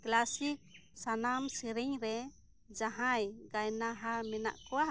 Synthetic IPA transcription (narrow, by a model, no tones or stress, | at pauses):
klasisanamsiɾiɲɾɛ | d͡ʒaɦajɡajnaɦamɛna̰ʔkɔwa